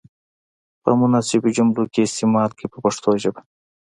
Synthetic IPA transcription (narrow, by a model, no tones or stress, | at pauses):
pə̰mʊnasɪbd͡ʒumlukʲeːst̪imaːlkepəpɐʂt̪oːʒəba